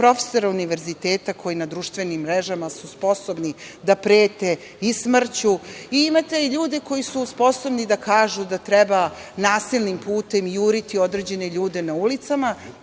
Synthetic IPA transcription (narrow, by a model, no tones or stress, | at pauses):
pɾo̞fe̥so̞ɾauniʋe̞ɾzit̪eːt̪akʰo̞jinad̪ɾuʃt̪ʋe̞nimːɾeʒamasuspo̞so̞bnid̪apɾeːt̪e̞ | ismr̩t͡ɕuiimat̪eiʎuːd̪e̞ko̞jisuspo̞so̞bnid̪akʰaːʒud̪at̪ɾebanaːsilnimpuːt̪e̞miuɾit̪io̞d̪ɾeːd͡ʑe̞ne̞ʎuːd̪e̞naulit̪sama